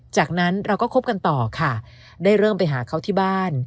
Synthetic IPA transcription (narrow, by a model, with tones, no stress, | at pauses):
t͡ɕaː˨˩k̚na˦˥nɾa˧wkɔː˥˩kʰo˦˥p̚ka˧nt̪ɔː˨˩kʰa˥˩ | daː˥˩jɾɤː˥˩mpa˧jɦaː˩˦kʰa˦˥˩wt̪ʰiː˥˩baː˥˩n